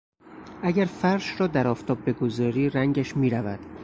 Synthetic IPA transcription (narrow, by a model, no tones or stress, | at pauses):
ʔæɟæɾfæɾʃɾɒːd̪æɾɒːft̪ʰɒːb̚ːe̞ɡozɒːɾiːɾæŋɟæʃmiːɾævæd̪̥